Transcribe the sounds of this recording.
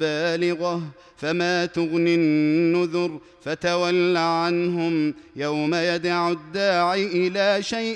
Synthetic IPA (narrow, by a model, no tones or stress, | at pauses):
baːlɪɣa | famaːt̪ʊɣnɪnnːʊðʊɾ | fat̪awalːaʕanɦʊmjawmajad̪aʕʊd̪ːaːʕiʔɪlaːʃajʔ